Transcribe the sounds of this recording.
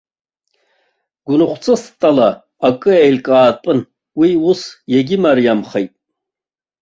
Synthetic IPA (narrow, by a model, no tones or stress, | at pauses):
ɡ̥ʷʊnɨχʷt͡sʰʼɨst̪ʼalaː | kʼɨejlkʼaːtpʼɨn | wiusjeɡʲimaɾjamχejtʼ